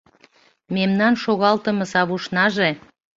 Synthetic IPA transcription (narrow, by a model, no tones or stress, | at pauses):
memnɑnʃoɣɑlt̪əmɤ̆sɑβuʃnɑʒe